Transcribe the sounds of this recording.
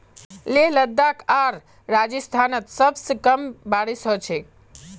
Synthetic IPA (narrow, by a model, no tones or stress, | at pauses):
leɦləd̪ːakaɾ | ɾad͡ʒəst̪ʰanət̪səbsəkəmbaɽisɦot͡ʃʰe